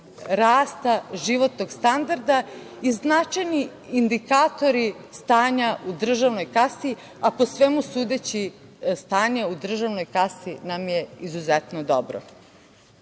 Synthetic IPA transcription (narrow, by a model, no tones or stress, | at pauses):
ɾaːst̪aʒiʋo̞t̪noɡst̪and̪aɾd̪a | iznat͡ʃajniː | nd̪ikat̪o̞ɾist̪aːɲaʔud̪r̩ʒaʋno̞jkasi | apo̞sʋemusuːd̪et͡ɕist̪aːɲeud̪r̩ʒaʋno̞jkasinamjeizuzɛt̪nod̪obɾo̰